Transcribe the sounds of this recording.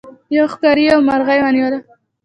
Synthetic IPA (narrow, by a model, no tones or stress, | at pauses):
jaxkaɾiawmaɾɣajwanjod̪a